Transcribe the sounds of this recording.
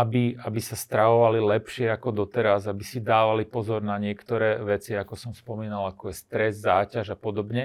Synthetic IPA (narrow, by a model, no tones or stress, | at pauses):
abiabisast̪ɾaʋɔʋalilɛpʃɪɛakɔd̪ɔt̪ɛɾazabisid̪aːʋalipɔzɔɾnaɲɪɛkt̪ɔɾɛːʋɛt͡siakɔsɔmspɔmiːnalakɔjɛst̪ɾɛzzaːcaʒapɔd̪ɔbɲɛ